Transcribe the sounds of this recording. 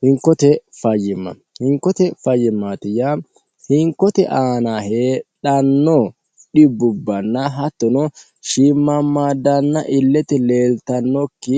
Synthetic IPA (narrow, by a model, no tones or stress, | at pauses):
hɪŋkːɔt̪ɛfɐjɪmːɐ̰ | hɪŋkɔt̪ɛfɐjːɪmːaːt̪ɪja | hɪŋkɔt̪ɛ̰ʔaːnahe̞ːᶑɐnːo | ᶑɪbːʊbːɐnːɐɦɐt̪ːɔnɔ | ʃiːmːɐmːaːd̪ɐnːɐʔɪlːɛt̪ɛle̞ːlt̪ɐnːɔkːɪ